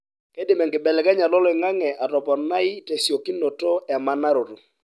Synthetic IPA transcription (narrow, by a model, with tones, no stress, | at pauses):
ke˦dɪ˨mɛ˨ŋkɪ˨bɛ˨lɛ˨kɛ˦ɲa˨lɔ˦lɔ˦ɪ˨ŋa˦ŋɛ˨ʔa˨tɔ˨pɔ˨na˦ɪ˦te˨sjo˨ki˦no˨to˦ɛ˨ma˦na˦ɾo˨to˨